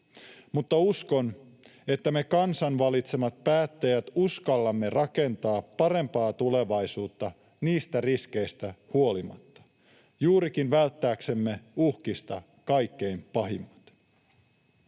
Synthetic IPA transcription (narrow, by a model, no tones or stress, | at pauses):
mut̪ːɑusko̞n | e̞t̪ːæme̞kɑnsɑnʋɑlit̪se̞mɑt̪̚pæːt̪ːejæt̪uskɑlːɑmːe̞rɑke̞nt̪ɑːpːɑɾe̞mpɑːt̪ule̞ʋɑjsuːt̪ːɑ | niːst̪æriske̞jst̪æhuo̞limɑ̰t̪ːɑ̥ | juːɾik̟inʋælt̪ːæːkse̞mːe̞uhkist̪ɑ | kɑjkːe̞jmpɑɦimːɑt̪